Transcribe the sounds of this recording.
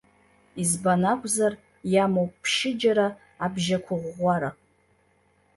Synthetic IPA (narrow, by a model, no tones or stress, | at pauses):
izbanakʷʰʼzar | jamowppʰʃɪd͡ʒaɾaː | bʒakʷʰʊʁʷaɾa